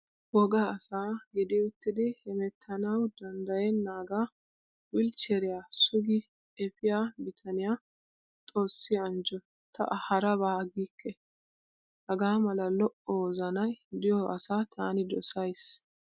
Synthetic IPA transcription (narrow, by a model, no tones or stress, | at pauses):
wɔɡaːsaːɡɛd̪ɛʊt̪ːɪd̪ɪhɛmɛt̪ʰːɐnɐwd̪ɐnd̪ɐjɛnːaːɡaː | wɪlt͡ʃɛɾɪjaːsʊɡɪ | ɛfɪjaːbɪt̪ʰɐnɪjaː | t̪ʼo̞ːsːɪɐnd͡ʒɔ | t̪ʰɐ̰ʔhɐɾɐbaːɡiːkːɛ | hɐɡaːmɐlɐlɔʔɔwzɐnɐjd̪ɪjɔʔɐsaːt̪ʰaːnɪd̪ɔsɐjs